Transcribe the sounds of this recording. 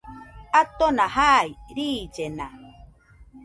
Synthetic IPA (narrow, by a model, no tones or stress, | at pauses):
at̪onahajɾiːd͡ʒena